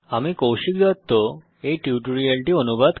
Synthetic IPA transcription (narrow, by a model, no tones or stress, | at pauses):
amikowʃik̚d͡ʑɔt̪ːo | ejʈiuʈoɾialʈionubad̪